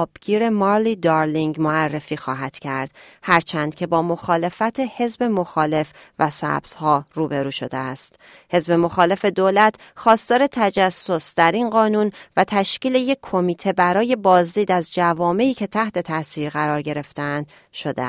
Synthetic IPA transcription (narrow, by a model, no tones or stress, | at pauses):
bɡ̥iːɾe̞mɒːɾliːd̪ɒɾliŋɡmoærːe̞fiːxɒ̰ːɦæd̪̥cʰæ̰ɾd̪̥ | hæɾt͡ʃʰænd̪̥cʰe̞bɒːmo̞xɒːle̞fæt̪ʰe̞he̞zbe̞mo̞xɒːle̞f | væsæ̰bz̥hɒːruːbe̞ɾuːʃo̞̰d̪ḛæst̪ | he̞zbe̞mo̞xɒːle̞fe̞d̪oːlæt̪ʰ | xɒːst̪ɒːɾe̞t̪ʰæd͡ʒæsːo̞sd̪̥æɾinɢɒːnunvæt̪ʰæʃciːleje̞kʰːo̞miːt̪ʰe̞bæɾɒːje̞bɒːzd̪iːd̪æzd͡ʒævɒːme̞iːcʰe̞t̪ʰæht̪ʰe̞t̪ʰæsiːɾɣæɾɒːɾɟe̞ɾe̞ft̪eænd̪ | ʃo̞d̪ḛ